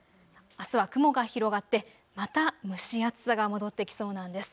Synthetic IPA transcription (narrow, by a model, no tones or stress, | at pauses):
asɨβakɯ̟mo̞ɡaçiɾo̞ɡat̪ːe̞ | mat̪amɯ̟ɕiat͡sɨ̥saɡamo̞d̪o̞t̪ːe̞kʲi̥so̞ːnãnd̪e̞sɨ̥